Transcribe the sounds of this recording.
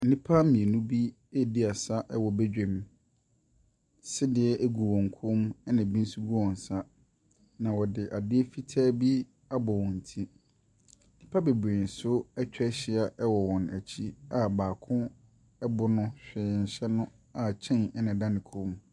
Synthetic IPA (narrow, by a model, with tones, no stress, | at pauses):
n̩˦nĩ˦pʰa˦mĩ˨e˨nũ˦bi˦ | ɛ˦˨di˦a˨sa˦ʔɛ˦wɔ˨be˦d͡ʑᶣẽ˨m | sɪ˦dɪ˨ɛ˦ʔæ˦ɡu˨wɔ̃˨ŋ˨kʰʊ˦mɛ˦nã˨bĩ˦n̩˦su˦ɡu˦wɔ̃˨n˨sa˦ | nã˨wɔ˨dɪ˨ʔa˨dɪ˦ɛ˦fi˦tʰaː˦bi˦ | a˦bɔ˨wɔ̃˨n̩˨tʰĩ˦ | n̩˦nĩ˦pʰa˦be˨bɾe˨n˨sʊ˦ɛ˦t͡ɕᶣɛ˦ɕɪ˦a˨ʔɛ˦wɔ˨wɔ̃˨næ˨t͡ɕʰi˦a˨baː˨kʰʊ̃˦ | ɛ˦bʊ˨nʊ̃˦ɕᶣɪ˨n̩˨ɕɛ˦nʊ̃˦ | a˨t͡ɕʰɛ̃˦˨nɛ˦nã˨dã˦nɪ̃˨kʰʊ̃˦m